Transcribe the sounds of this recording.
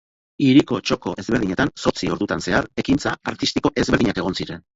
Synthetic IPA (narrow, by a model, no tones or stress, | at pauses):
iɾiko̞t͡ʃo̞ko̞ʔe̞zβe̞ɾð̞iɲe̞t̪anso̞t͡sio̞ɾðut̪anse̞aɾe̞kint͡saaɾt̪ist̪iko̞ʔe̞zβeɾð̞iɲake̞ɣ̞o̞nsiɾe̞n